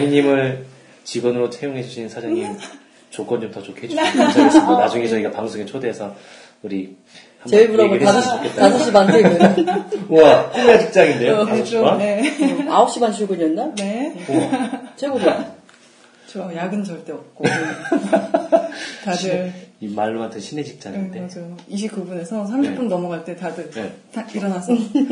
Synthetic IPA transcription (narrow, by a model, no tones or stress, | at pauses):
ŋiɲimɯɭ | t͡ɕiɡʌnɯɾot͡ɕʰejoŋɦed͡ʑuɕʰinnsʰad͡ʑaŋɲim | t͡ɕok͈ʌnd͡ʑomtʰʌt͡ɕokʰeɦed͡ʑt͡ɕʌek͈onad͡ʑuŋet͡ɕʰʌiɡapaŋsʰoŋet͡ɕʰodeːsʰʌ | uɾi | hamebuɾaɡoetasʰʌs͈ɕk͈ʰːett͈ːatas̬ʰʌɕ͈imanɯi | akʰoŋet͡ɕʰɯk̚t͡ɕ͈aŋinde̞joaʌanneaʌp̚ɕ͈imanɕʰiɭɡoɲʌndane̞ | t͡ɕeɡoɡɯ | t͡ɕʌjaɡɯnt͡ɕʌɭt͈eʌp̚k͈o | tadɯimaɭːumantʰʌnɕʰinet͡ɕʰik̚t͡ɕ͈aŋdead͡ʑjoiɕ̬ʰik͈ubune̞sʰʌs̬ʰamɕʰip͈unnʌmʌɡaɭt͈e̞tadɯetaiɾʌnas͈ʰʌ